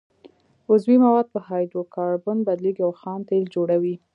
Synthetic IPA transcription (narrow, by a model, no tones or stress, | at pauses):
ʊzwimawɑd̪̚pəhɑjd̪okɑɾbʊnbad̪liɡiawxɑnt̪eld͡ʒoɽawi